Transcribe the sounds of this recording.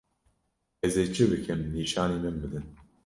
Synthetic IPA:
ɛzeːt͡ʃʰɨbɨkʰɨmniːʃɑːniːmɨnbɨd̪ɨn

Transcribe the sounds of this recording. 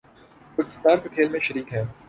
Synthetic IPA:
ʊkt̪ɪ̥st̪aːɾkekʰeːlmẽʃɐɾiːkɦɛ̃ː

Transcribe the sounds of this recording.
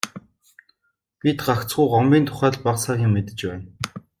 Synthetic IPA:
pʲit̪ɢakt͡sɢujɢɔmpʲiːnt̪ʰʊ̥χæːɮpaqsaːɣʲiŋmet̪ɘ̆t͡ɕpæːn

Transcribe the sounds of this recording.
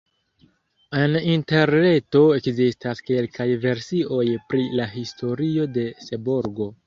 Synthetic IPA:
eninte̞ɾne̞to̞e̞kzistaske̞lkajve̞ɾsiʔo̞jpɾilaɦisto̞ɾio̞de̞se̞boɾɡo̞

